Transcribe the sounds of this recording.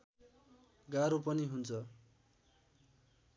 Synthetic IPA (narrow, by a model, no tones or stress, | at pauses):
ɡaɾopʌniɦunt͡sʰʌ